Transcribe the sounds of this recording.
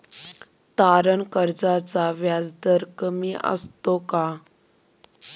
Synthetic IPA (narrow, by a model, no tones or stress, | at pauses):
t̪aɾənkəɾd͡zat͡saʋjad͡zd̪əɾkəmiʔə̰st̪oka